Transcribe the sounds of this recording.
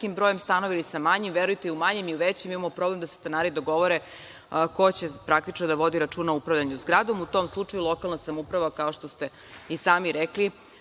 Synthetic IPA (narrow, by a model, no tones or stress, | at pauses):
kimbɾoje̞mst̪ano̞ʋilisamaɲimʋeɾujt̪eiumaɲemiuʋet͡ɕemimamo̞pɾoblemd̪ase̥st̪enaːɾid̪o̞ɡo̞ʋoɾe | ko̞t͡ɕepɾak̚t̪it͡ʃnod̪aʋo̞d̪iɾat͡ʃuːnaupɾaʋʎʲaɲuzɡɾad̪o̞mut̪o̞ːmslˠut͡ʂajulˠo̞kalˠnasamoupɾaʋakao̞ʃt̪o̞st̪e | isaːmiɾɛkli